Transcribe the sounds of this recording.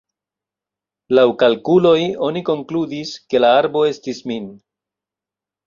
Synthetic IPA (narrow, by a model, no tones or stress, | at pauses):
lawkalkulo̞jo̞niko̞ŋkludiske̞laaɾbo̞e̞stismin